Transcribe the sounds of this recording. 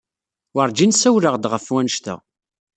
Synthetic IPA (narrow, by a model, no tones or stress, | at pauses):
wəɾˤd͡ʒinsæwɾəʁd̪ʁəfwænʃt̪æ̰